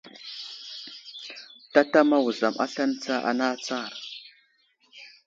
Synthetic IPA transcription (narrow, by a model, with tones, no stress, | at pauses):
ta˦ta˦ma˦wu˨za˨mʔa̰˦ɬa˦n˦t͡sa˦ʔa̰˨na˦t͡sa˦˨ɾ